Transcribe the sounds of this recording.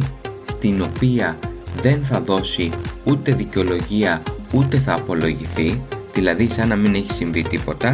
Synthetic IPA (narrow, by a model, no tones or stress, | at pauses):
st̪ino̞piɐðe̞nθɐðo̞siut̪e̞ðiceo̞lo̞ʝiɐut̪e̞θɐːpo̞lo̞ʝiθiðilɐðisɐnɐmine̞çi̥siɱvit̪ipo̞t̪ɐ